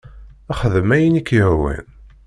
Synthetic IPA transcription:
æχəðəmæjinikːjəhwæ̰n

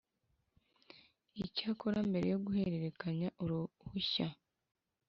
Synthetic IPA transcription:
icaːkoɾambe̞ɾe̞̰jo̞ɡuhe̞ɾe̞ɾe̞kaɲaʔuɾuhuça

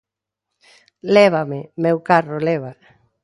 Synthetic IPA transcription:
lɛβamɪmewkarolɛβa

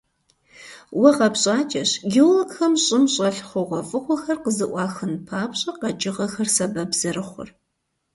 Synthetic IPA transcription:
wɐqɐpɕʼaːt͡ʃʼɐɕɡʲiwlokxɐmɕʼɪmɕʼɐɬχʷʊʁʷɔfʼɨχʷɔxɐrqəzɨʔʷɑːxɨnpʰaːpɕʼɐqɐd͡ʒʼɪʁɐxɐrsɐbɐbz̥ɐɾɨχʷʊ̰r

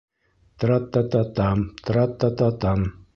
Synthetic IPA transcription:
t̪ɾɑt̪ːɑt̪ɑt̪ɑmt̪ɾɑt̪ːat̪ɑt̪ɑm

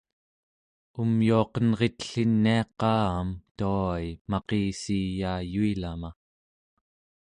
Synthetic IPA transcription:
umjuɑqʌnʁet̪ə̥ɬinːiɑqɑːamt̪uajmɑqeːsiːjaːjuilama

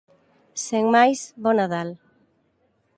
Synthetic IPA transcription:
seŋmajsβonaðal

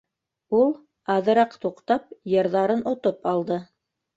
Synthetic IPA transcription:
ulˠ | ɑðɤ̆ɾɑqt̪uqt̪ɑpjɤ̆ɾðɑɾɤnŏt̪opɑlˠd̪ɤ

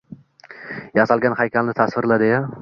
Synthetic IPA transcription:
jasalɡʲanhajkʲʰalnɪt̪ʰasvɪɾlad̪ɪja

